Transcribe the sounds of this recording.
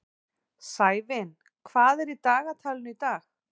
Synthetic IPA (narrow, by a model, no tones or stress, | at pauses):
saːjvɪn | kʰvaːðɛɾit̪aːɣat̪ʰaːlɪnʏit̪aːx